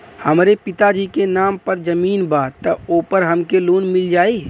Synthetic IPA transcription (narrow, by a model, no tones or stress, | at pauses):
həmɾepɪt̪ad͡ʒikenaːmpəɾd͡ʒəmiːnbaːt̪ːəoːpəɾɦəmkeluːnmɪld͡ʒaːi